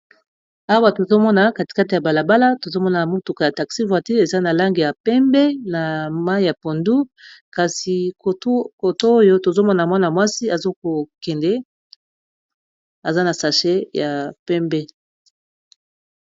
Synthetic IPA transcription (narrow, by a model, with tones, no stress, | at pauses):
a˦wa˨to˨zo˦mɔ˦na˨ka˨ti˨ka˦ti˨ja˨ba˨la˨ba˦la˦to˨zo˦mɔ˦na˨mu˦tu˨ka˨ja˨ta˨ksi˦vwa˨ti˦e˨za˦na˨la˦ŋɡi˨ja˨pɛ˦mbɛ˦na˨ma˦i˦ja˨po˨ndu˦ka˨si˨˦ | ko˨to˦o˦jo˦to˨zo˦mɔ˦na˨mwa˦na˨mwa˦si˦a˨zo˦ko˨kɛ˨ndɛ˦ | a˨za˦na˨sa˨ʃe˦ja˨pɛ˦mbɛ˦